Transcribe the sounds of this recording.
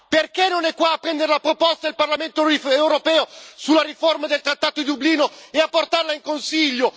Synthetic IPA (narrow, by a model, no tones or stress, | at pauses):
perkenːonɛkːwaːpːɾɛnd̪eɾelapɾopɔst̪aelparlament̪oewɾopɛːosulːaɾiformad̪elt̪ɾat̪ːaːt̪oid̪ubliːnoeapːort̪arlaiŋkonsiʎːo